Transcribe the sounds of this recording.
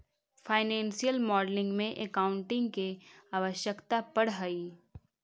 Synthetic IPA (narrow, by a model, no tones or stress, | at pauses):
fʰaːɪnɛ̃ːnsijəlmɔːɖlɪ̃ŋɡmẽʔekaːʊ̃ɳʈɪ̃ŋɡkeaːʋəʃjəkt̪apɐɽɦəiː